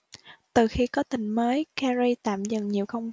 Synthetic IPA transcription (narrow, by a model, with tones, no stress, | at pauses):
t̪ɨ˨˩xi˧kɔ˨˦t̪ï˨˩ŋ̟məː˨˦jkaː˧zi˧t̪a̰ː˧˨mzə˨˩nɲi˨˩əwxə˧wŋ͡m